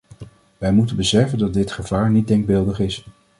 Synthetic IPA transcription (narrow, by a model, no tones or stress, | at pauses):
ʋɛjmutənbəsɛfəndɑdɪtχəv̥aːɹnit̚dɛŋɡ̚bɪlˠdəχɪs